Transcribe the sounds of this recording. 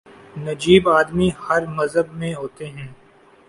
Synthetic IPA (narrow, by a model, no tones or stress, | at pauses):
nɐd͡ʒiːbaːd̪mihɐɾmɐzɦəbmẽɦoːt̪eɦɛ̃ː